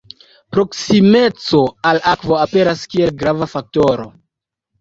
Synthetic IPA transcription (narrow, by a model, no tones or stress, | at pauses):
pɾo̞ksime̞t͡so̞alakvo̞ape̞ɾaskie̞lɡɾavafak̚to̞ɾo̰